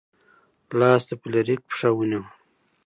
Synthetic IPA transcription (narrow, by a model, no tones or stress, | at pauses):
lɑːst̪apleɾik̚pʂawuniw